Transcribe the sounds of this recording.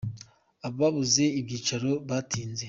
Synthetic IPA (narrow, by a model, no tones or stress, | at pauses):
aβoβaβuze̞ibɟiːt͡ʃaɾo̞βatiːnze̞